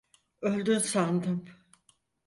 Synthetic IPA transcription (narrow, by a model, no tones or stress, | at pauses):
ø̞lʲd̪ynsand̪ɯm